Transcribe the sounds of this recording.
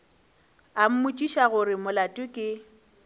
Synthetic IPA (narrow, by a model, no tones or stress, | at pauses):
am̩mʊt͡ʃʼiʃaɣʊrɪmʊlatʼʊkʼɪ